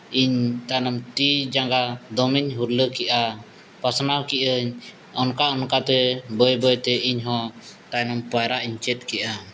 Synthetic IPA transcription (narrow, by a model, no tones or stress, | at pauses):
iɲt̪anɔmt̪id͡ʒaŋɡad̪ɔmiɲɦuɾləkɛʔa | pasnawkiʔəɲ | ɔnkaʔɔnkat̪ɛbəjbəjt̪ɛiɲɦɔ̃t̪ajnɔmpajɾaʔiɲt͡ʃɛt̪̚ˀkɛʔa